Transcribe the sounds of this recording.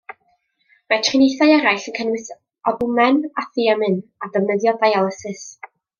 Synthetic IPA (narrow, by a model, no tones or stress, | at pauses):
mɛtʰrɪnejθaɨɛɾajɬənkʰənwɨs | ɔðʊmɛnaθiamɨnadəvnəðjɔdajalˠəsɨs